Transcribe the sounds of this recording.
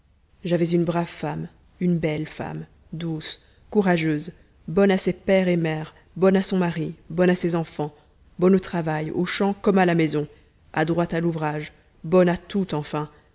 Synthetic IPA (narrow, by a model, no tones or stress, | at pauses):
ʒavɛzynbʁavfam | ynbɛlfa̰m | d̪us | kuʁaʒøz | bɔnasepɛʁemɛʁ | bɔnasɔ̃maʁibɔnasezɑ̃fɑ̃ | bɔnot̪χavajo̰ʃɑ̃kɔmalamezɔ̃ | ad̪ʁwat̪aluvʁaʒ | bɔnat̪ut̪ɑ̃fɛ̃